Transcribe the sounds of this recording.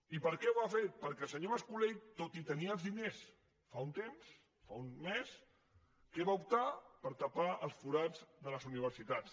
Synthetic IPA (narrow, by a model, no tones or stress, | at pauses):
ipəɾkɛwafeɾ̚pəɾkɛlˠsəɲoβəskulejt̪ot̪it̪əniəəzðines | faunt̪ems | faunmes | kɛβaup̚t̪apəɾt̪əpaəlˠsfuɾad͡zðələzuniβ̞əɾsit̪at͡s